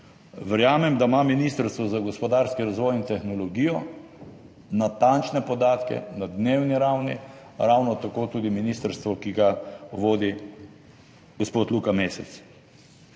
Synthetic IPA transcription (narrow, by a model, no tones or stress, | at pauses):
ʋəɾjaːmɛmd̪amaminist̪əɾst̪ʋɔzaɡɔspɔd̪aːɾskiɾazʋɔːjint̪ɛxnɔlɔɡiːjɔ | nat̪ant͡ʃnɛpɔd̪aːt̪kɛ̰nad̪neːwniɾawni | ɾawnɔt̪akoːt̪uːd̪iminiːst̪əɾst̪ʋɔkiɡaʋoːd̪i | ɡɔspoːt̪luːkameːsɛt̪s